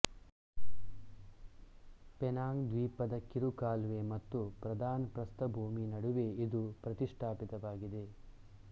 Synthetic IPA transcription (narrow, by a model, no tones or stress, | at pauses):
pɛnaːŋd̪ʋiːpɐd̪ɐkiɾukaːlʋemɐt̪ːupɾɐd̪aːnpɾɐst̪ɐbʱuːminɐɽuʋeid̪upɾɐt̪iʂʈʰaːpit̪ɐʋaːɡid̪e̞